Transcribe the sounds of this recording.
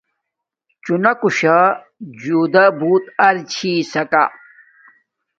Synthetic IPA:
t͡ɕunɐkuɕa | d͡ʑuːd̪ɐbuːt̪ɐɾt͡ɕʰiːsɐka̰

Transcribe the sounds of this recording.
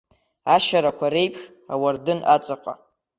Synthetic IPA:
aʃaɾakʷʰaɾe̞jpʰxʲ | a̰wardɨnʔat͡sʼaqʼa̰

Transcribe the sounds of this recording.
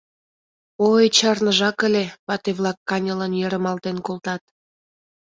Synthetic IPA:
ojt͡ɕɑrnəʒɑkə̆lʲeβɑt̪eβlɑkːɑnʲələnjøɾə̆mɑlt̪enkolt̪ɑt̪

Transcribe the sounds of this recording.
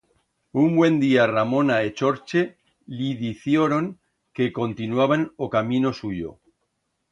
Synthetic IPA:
umbwẽ̞nd̪iaramõ̞naet͡ʃo̞ɾt͡ʃe | liðiθjoɾoŋ | ke̞ko̞nt̪inwaβ̞anokamĩno̞suʝo̰

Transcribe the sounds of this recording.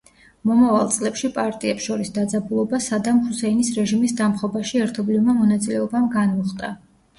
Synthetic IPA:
mɔmavalˠt̪sʼlɛpʃipʼaɾt̪ʼiɛpsʃɔɾisd̪ad̪zabulˠɔbasad̪amhusɛinisɾɛʒimisd̪amχɔbaʃiɛɾt̪ʰɔblivmamɔnat̪sʼilɛɔbamɡanmɔχt̪ʼa

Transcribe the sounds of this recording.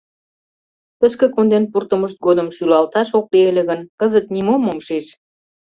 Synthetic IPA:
t̪əʃkĕkond̪enpurt̪əməʃt̪̚ɡod̪əmʃylɑlt̪ɑʃok̚lieleɣənkəzət̪nimomːomʃeʃ

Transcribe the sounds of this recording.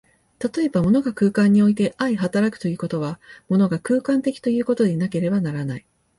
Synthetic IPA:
t̪at̪o̞e̞bamo̞no̞ɡakɯ̟ːkãɲ̟ːio̞it̪̬e̞ʔaiɦat̪aɾakɯ̟̥t̪o̞jɯ̟ːko̞t̪o̞β̞amo̞no̞ɡakɯ̟ːkãnt̪e̞kʲi̥t̪o̞jɯ̟ːko̞t̪o̞ɲʲinake̞ɾe̞banaɾanai

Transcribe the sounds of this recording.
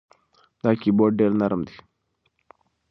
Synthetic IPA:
d̪aːkiboːɖɖeːɾnɐɾəmd̪i̥

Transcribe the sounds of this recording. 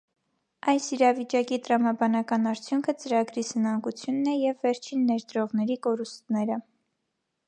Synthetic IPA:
ʔɑjsiɾɑvit͡ʃɑkit̪əɾɑmɑbɑnɑkɑnɑɾt͡sʰjuŋkʰət͡səɾɑɡɾisənɑŋɡut͡sʰjunːɛjɛvːɛɾt͡ʃʰinːɛɾd̪ɾɔʁnɛɾikɔɾust̪nɛɾə

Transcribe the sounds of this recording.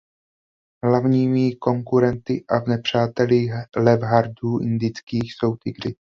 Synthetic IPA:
ɦlavɲiːmɪko̞ŋkuɾɛnt̪ɪʔavnɛpr̝̥aːt̪ɛlixlɛvɦaɾduːʔɪnd̪ɪt͡skiːxso̞wt̪ɪɡr̝ɪ

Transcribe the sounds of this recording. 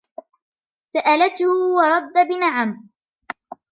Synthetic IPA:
saʔalat̪hʊwɑɾˤɑd̪ːabɪnaʕam

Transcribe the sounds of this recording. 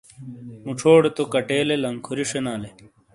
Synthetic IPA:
muʈ͡ʂʰoːɽet̪okɐʈeːlelɐŋkʰuɾiʂenaːle

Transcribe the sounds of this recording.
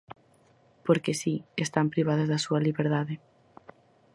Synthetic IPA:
poɾkesiest̪ampɾiβ̞að̞azðɐsuɐliβeɾðaðɪ

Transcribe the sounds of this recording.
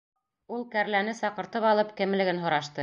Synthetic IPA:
ulˠkæɾlænɘsɑqɤ̆ɾt̪ɤpɑlˠɤpkɘ̆mɘ̆lɘ̆ɡɘnɦŏɾɑʃt̪ɤ

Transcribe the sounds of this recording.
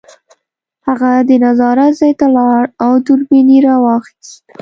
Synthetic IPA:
haɣad̪ənazɑɾazɑjt̪alɑɽawt̪ʊɾbiniɾɑwɑxi̥st̪

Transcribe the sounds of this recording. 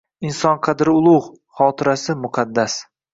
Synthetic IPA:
ɪnsɒnqʰɑd̪ɾɪʊlˠʊʁ | χɒːt̪ʰɪɾasɪmʊqʰɑd̪ːas

